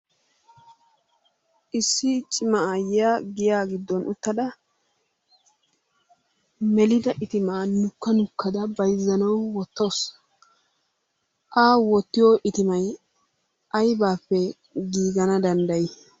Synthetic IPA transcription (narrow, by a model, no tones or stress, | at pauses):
ʔɪsːɪt͡ʃʼɪmɐajaːɡɪjaːɡɪd̪ːɔnʔʊt̪ːɐd̪ɐ | mɛlɪd̪ɐʔɪt̪ɪmaːnʊkːɐnʊkːɐd̪ɐbɐjzːɐnɐwwɔt̪ːo̞ːs | ʔaːwɔt̪ːɪjoʔɪt̪ɪmɐj | ʔɐjbaːpːɛ | ɡiːɡɐnɐd̪ɐnd̪ɐjɪ